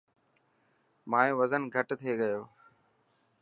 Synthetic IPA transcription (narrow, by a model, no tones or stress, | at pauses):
mãːjoːʋəzənɡʱəʈt̪ʰeːɡəjoː